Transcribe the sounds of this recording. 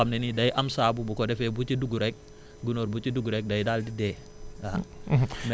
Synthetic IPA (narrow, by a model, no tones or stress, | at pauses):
amnenidajʔamsaːbubukɔdɛfɛbut͡ʃiduɡuɾɛk̚ | ɡunoɾbut͡ʃiduɡuɾɛk̚dajdaldidɛ | a | m